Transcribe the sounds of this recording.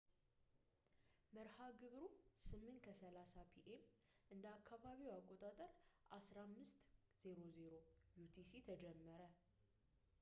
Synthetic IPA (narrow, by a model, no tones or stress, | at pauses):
məɾhaɡɨβɾusɨmːɨnkʰəsəlasapʰiʔem | ʔɨnd̪əakʰːaβaβiwakʼːot̪ʼat̪ʼəɾʔasɾamːɨst̪ | z̥e̞ɾo̞ze̞ɾojut̪ʰisit̪ʰəd͡ʒɛmːəɾə